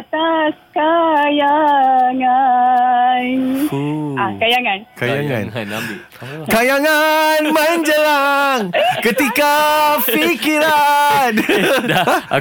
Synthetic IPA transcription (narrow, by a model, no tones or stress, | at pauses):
t̪askajaŋa | n | akajaŋankajaŋa̰n | kajaŋanməɲd͡ʒəlaŋkət̪ikafikiɾan